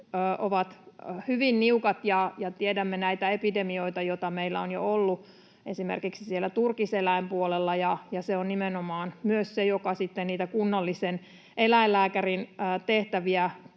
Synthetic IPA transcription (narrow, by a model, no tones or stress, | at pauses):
ʔoʋɑt̪hyʋinniukɑt̪jɑjɑt̪iedæmːenæit̪æepidemioit̪ɑjot̪ɑmeilːæ̰onjo̰olːu | esimḛrkiksisielːˑæt̪urkiselæimpuolelːɑjɑjɑseonnimenomɑːnmyøssejokɑsit̪ːenniːt̪ækunːɑlːisen | ʔelæilːæːkærinːt̪eht̪æʋiæ